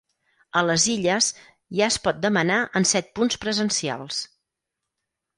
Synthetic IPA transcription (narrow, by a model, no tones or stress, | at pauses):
ələziʎəs | ʒaəspɔt̪̚d̪əmənaʔənsɛt̪̚punspɾəzənsia̰lˠs